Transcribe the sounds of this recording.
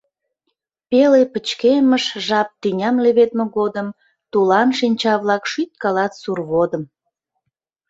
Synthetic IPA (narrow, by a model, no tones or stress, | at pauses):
pelepət͡ɕkeməʃʒɑp̚t̪ynʲɑmleβet̪meɣod̪əm | t̪ulɑnʃinʲt͡ɕɑβlɑkʃyt̪̚kɑlɑt̪surβod̪əm